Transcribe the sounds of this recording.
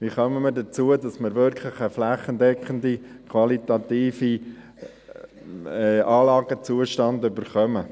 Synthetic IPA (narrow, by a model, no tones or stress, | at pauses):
ʋiχœməmədəɾt͡suədɑsməɾʋʏɾkʰlɪχəflæχːəndɛkχəndikʰʋɑlit̪ɑt̪iːfi | ɛʔɑːlɑːɡət͡suəʃtɑnd̪ʏbəɾχœmə